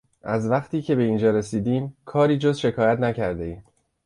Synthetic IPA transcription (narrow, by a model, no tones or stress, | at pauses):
ʔæzvæχt̪ʰiːcʰe̞be̞iːnd͡ʒɒːɾe̞siːd̪iːmkʰɒːɾiːd͡ʒozʃe̞kʰɒːjæt̪ʰnæcʰæɾd̪e̞iːm